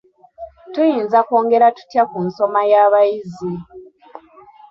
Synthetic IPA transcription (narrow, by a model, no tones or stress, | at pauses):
tujiːnzakoːŋɡe̞ɾatu̥tjakunso̞majaːβajizi